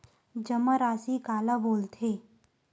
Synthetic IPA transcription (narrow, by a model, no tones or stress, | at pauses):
d͡ʒəməɾaːsikaːlaboːlt̪ʰeː